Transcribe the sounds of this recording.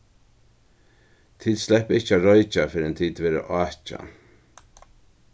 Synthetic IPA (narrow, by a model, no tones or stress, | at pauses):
t̪ʰiːd̪slɛhpɪhcaɾɔʏt͡ʃafɪɾɛnt̪ʰiːt̪ʋeːɾə̰ʔɑːt͡ʃa̰